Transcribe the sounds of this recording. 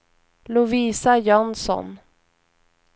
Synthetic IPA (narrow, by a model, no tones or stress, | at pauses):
lʊviːsajɔnsɔ̰n